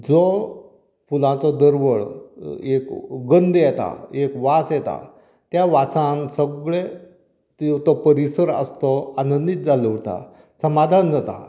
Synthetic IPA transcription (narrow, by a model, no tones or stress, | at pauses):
d͡zɔ | fulãt͡sɔd̪əɾʋəɭekɡənd̪jɛt̪a̰ekʋat͡sjɛt̪a̰ | t̪jaʋat͡sãnsəɡɭe | t̪it̪ɔpəɾisəɾə̰st̪ɔanənd̪it̪̚d͡zaləʋt̪a̰ | səmad̪ʱand͡zət̪a̰